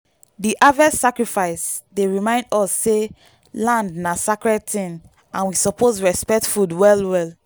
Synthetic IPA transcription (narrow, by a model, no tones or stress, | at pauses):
diʔavɛssakɹifaɪsdeɹimãɪ̃ndɔsːe | lãndnasakɹɛd̚tĩn | ʔãnwisɔpʰosɹɛspɛk̚tfudwɛlwɛl